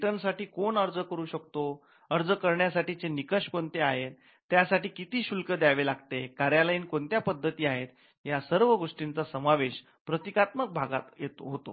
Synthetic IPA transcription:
ʈənsaʈiːkoɳəɾd͡zəkəɾuːɕəkt̪o | əɾd͡zəkəɾɳjasaʈit͡senikəɕkoɳt̪eaɦet̪ː | jasaʈiːkit̪iːɕulkəd̪jaʋelaɡt̪ekaɾjaləiːnkoɳt̪japəd̪ʱːət̪iːaɦet̪ | ɦjasəɾʋəɡoʂʈint͡sasəmaʋeɕ | pɾət̪ikat̪mək̚bʱaɡat̪jet̪oɦot̪o̰

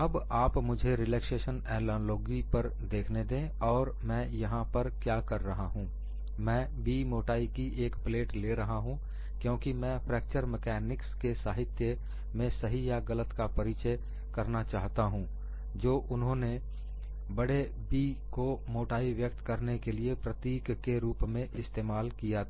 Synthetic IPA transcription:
ɐbaːpmʊd͡ʒʱeɾɪlɛːkseːʃənɛːlɔloːɡipɐɾ | d̪eːkʰned̪ẽː | ɔːɾ | mɛ̃ːjɐɦãpɐɾkjaːkɐɾːɐɦaɦũ | mɛ̃ː | biːmoːʈaːikiʔeːkpleːʈleɾɐɦaɦũ | kjõːkimɛ̃ːpʰɾɛːk̚t͡ʃəɾmɛkɛːnɪkskesaːɦɪt̪jə | mẽsɐɦijaɣɐlət̪kapɐɾɪt͡ʃə | kɐɾnat͡ʃaːɦt̪aɦũː | d͡ʒoːʔʊnɦõne | bɐɽe | biːkomoːʈaːiʋjək̚t̪kɐɾnekeliepɾət̪iːkːeɾuːpmẽʔɪst̪eːmaːlkija

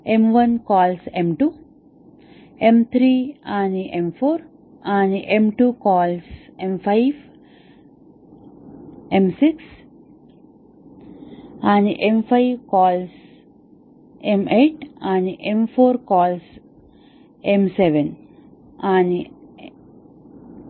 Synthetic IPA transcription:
ẽmʋʌ̃nkɔːlsẽmʈuː | ẽmt̪ʰɾiãniʔẽmfoːɾ | ãɳʔẽmʈuːkɔːlsẽmpʰaɪʋ | ẽmsiks | ãɳʔẽmpʰaɪʋkɔːls | ẽmeʈãɳɖʔẽmfoːɾkɔːls | ẽmseʋẽn | ãɳ

